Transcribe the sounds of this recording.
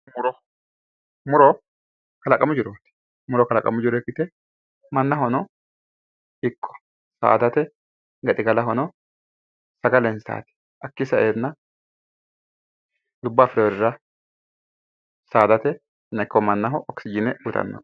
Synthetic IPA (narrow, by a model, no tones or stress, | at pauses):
mʊɾɔ | mʊɾɔ | kɐlɐkʼɐmʊd͡ʒɪɾoːt̪ɛ̥ | mʊɾɔkɐlɐkʼɐ̰mʊd͡ʒɪɾɔkːɪt̪ɛ | mɐnːɐɦɔnɔ | ɪkʰːɔ̥ | sa̰ːd̪ɐt̪ɛ | ɡɐt̪ʼɪɡɐlɐɦɔnɔ | sɐɡɐlɛnsa̰ːt̪ɛ̥ | ʔɐkːɪsɐʔeːnːɐ | d̪ʊbːaːfɪɾoːɾɪɾɐ | saːd̪ɐt̪ɛ | nɐɪkːɔmɐnːɐɦɔʔɔksɪd͡ʒɪnɛʊt̪ɐ̰nːo̰